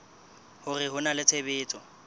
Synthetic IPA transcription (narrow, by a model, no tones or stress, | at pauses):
hʊrɪɦʊnalɪt͡sʰebɪːt͡sʼɔ